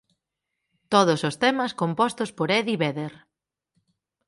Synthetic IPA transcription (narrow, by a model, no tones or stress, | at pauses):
t̪oð̞ʊsost̪ɛmɐskompɔst̪ʊspoɾɛðiβɛðeɾ